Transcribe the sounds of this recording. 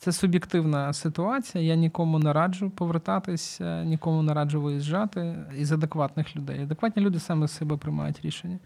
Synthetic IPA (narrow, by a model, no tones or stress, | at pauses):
t̪sɛsʊbʲjɪkt̪ɪwnɐsɪt̪ʊɑt͡sʲijɐjanʲikɔmʊnɛɾɑd͡ʒʊjʊpɔʋert̪ɑt̪ɪsʲnʲikɔmʊnɛɾɑd͡ʒʊʋɪjizʒːɑt̪ɪizɐd̪ekʋɑt̪nɪxlʲʊd̪ɛ̰jɐd̪ekʋɑtʲnʲilʲud̪ɪsɑmɪsɛbɛpɾɪjmɑ̰jʊtʲɾʲḭʃenʲːɐ